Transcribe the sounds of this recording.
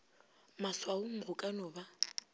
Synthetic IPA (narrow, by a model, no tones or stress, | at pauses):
maswaʊŋ̩rʊkʼanɔba